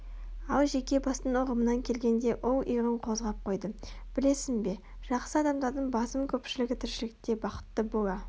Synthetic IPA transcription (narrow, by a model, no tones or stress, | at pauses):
ɑlˠʒe̞kʲe̞bɑst̪ənoʁəmənɑŋkʲʰe̞lɡʲe̞nd̪e̞ʔʊlˠijʁəɴqʰo̞zʁɑp̚qʰo̞jd̪əb̥ɪle̞sɪnbe̞ | ʒ̥ɑqsəɑd̪ɑmd̪ɑɾd̪əɴbɑsəmkʲʰɵpʃɪlɪɡʲɪt̪ʰɪɾʃɪlɪk̚t̪e̞bɑqə̥t̪ːəbolɑ